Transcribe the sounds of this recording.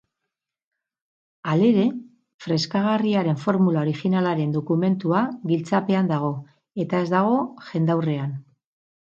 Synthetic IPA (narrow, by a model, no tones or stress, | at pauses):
ale̞ɾe̞ | fɾe̞skaɣ̞ariaɾe̞ɱfo̞ɾmulao̞ɾixinalaɾe̞nd̪o̞kume̞nt̪uaɣilt͡sape̞and̪aɣ̞o̞ | e̞t̪ae̞zd̪aɣ̞o̞ʝe̞nd̪awre̞an